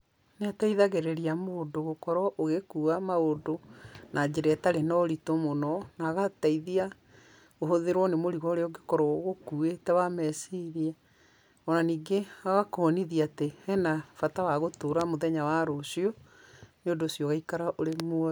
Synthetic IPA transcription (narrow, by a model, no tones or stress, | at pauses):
neataiðaɣeɾɛɾiamoːdoɣokɔɾɔʔoɣekuːamaodonad͡ʑeɾɛtaɾenɔɾitomonɔnaːɣataiðia | oɦoðeɾwɔnemoɾiɣɔɾeɔoɡekɔɾɔɣokuetɛwamɛsiɾia | ɔnaniːɡeaɣakɔniðiateɛnafatawaɣotoɾamoðɛɲawaɾosiɔ | neondoːsjɔɣaikaɾaʔoɾemoɔ